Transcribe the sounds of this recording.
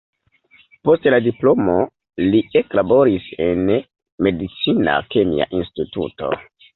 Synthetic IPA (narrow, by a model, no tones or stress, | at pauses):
po̞stladiplo̞mo̞ | lieklabo̞ɾise̞n | me̞dit͡sina̰kemḭa̰ʔinstitṵto̞̰